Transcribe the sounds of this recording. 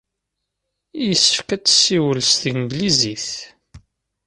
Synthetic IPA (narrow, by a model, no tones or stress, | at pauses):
ijjəsːəfkæt͡sːə̥sːiwəlst̪imɡliziθ